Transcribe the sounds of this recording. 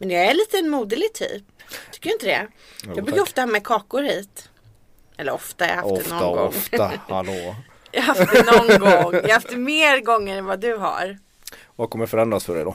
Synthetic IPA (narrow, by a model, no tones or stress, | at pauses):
mɛnjɑæɭiːt̪əɛnmuːd̪əlɪt̪ʰy̰ːp̚t̪ʰʏ̥kːəjaɪnt̪əd̪ɛ̰ | ɑɡbɾʉkaɾɔft̪ahɑːmɛkʰɑːkʊɾhiːt̪ | ʔɛlːəɾɔft̪ahaɾjɑ̰hatd̪ɛnɔɡɔ̰ŋːft̪ahalo | jɑ̰ɦafdd̪nɔnːɛɡɔŋːjɑhafmeːɾɡɔŋːəɾɛnvad̪ɵɦa̰ɾ | vakʰɔmːəɾfœɾɛnd̪ɾasfœɖɛ̰d̪ɔ